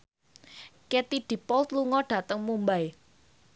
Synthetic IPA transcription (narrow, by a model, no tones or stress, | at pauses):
kɛt̪iɖ̥i̤pɔlt̪luŋɔɖ̥a̤t̪əŋmumbaj